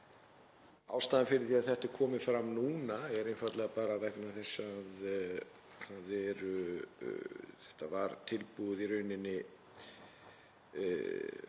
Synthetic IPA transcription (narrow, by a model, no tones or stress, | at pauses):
a̰ːwst̪aːðɪ̃nfɪɾɪɾθiːaðθɛht̪ɪɾkʰɔːmɪfɾamnuːnaɛɾenfaɾt̪lɛɣapaːɾavɛhknaθɛsːað | kʰaðɛɾʏ | θɛht̪avaɾt̪ʰɪlpuðiɾœɥnɪnːɪ